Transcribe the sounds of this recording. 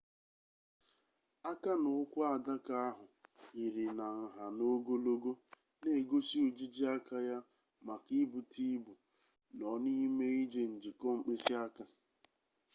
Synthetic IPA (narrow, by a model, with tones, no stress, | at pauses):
a˦ka˦nʊ˨ʊ˦kʷʊ˦a˨da˦ka˦a˦ɦʊ˨i˨ɾi˨na˨ŋ̩˨ɦa˨no˦ɡo˦lo˦ɡo˦ | ne˨ɡo˦si˦o˨d͡ʒi˦d͡ʒi˦a˦ka˦ja˦ | ma˨ki˦bu˨tʰi˦bu˨ | nɔ˨ni˦me˦i˦d͡ʒe˦n̩˨d͡ʒi˨kɔ˦ŋ͡m̩˨k͡pe˦si˦a˦ka˦